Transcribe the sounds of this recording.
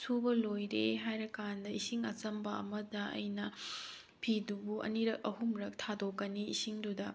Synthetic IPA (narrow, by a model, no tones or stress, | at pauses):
sʰubɐlojɾeɦajɾɐkandɐisiŋɐt͡ʃɐmbɐɐ̰mɐdɐɐ̰jnɐ | pʰidubuʔɐ̰niɾɐk̚ɐɦumɾɐk̚tʰadokːɐniːsiŋdudɐ